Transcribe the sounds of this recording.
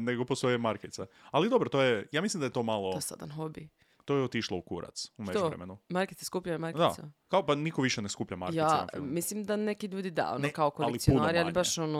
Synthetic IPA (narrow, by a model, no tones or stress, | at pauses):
neɡoposojemaɾket̪sealid̪obɾot̪ojejaːmislimd̪ajet̪o̞ːmalˠoosa̰d̪a̰nɦobi | t̪ojeot̪iʃlˠoukṵɾa̰t̪sumet̪d͡ʒoɾḛmenumaɾket̪sjeskupʎamaɾkd̪a̰sakaopanikoʋiʃeneskupʎama̰ɾkjeaana̰fimislimd̪anekiʎuːd̪id̪a̰onokaokolalˠiijunɾialibaʃono